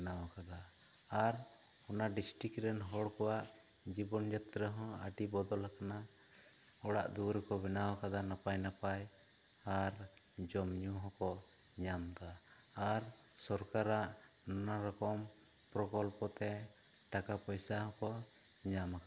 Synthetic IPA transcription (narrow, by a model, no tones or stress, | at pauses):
nawakad̪aː | ɾ | ɔnaɖisʈikɾɛnɦɔɽkɔwaʔ | d͡ʒibɔnd͡ʒɛt̪ɾəɦɔ̃əɖibɔd̪ɔlakana | ɔɽa̰ʔd̪uwɾɛkɔbɛnawakad̪anapajnapaj | aɾ | d͡ʒɔmɲuɦɔ̃kɔ | ɲamɡ̪aː | ɾ | sɔɾkaɾaʔ | nɔnaɾɔkɔmpɾɔkɔlpɔt̪ɛ | ɖakapɔjsahɔ̃kɔɲamaka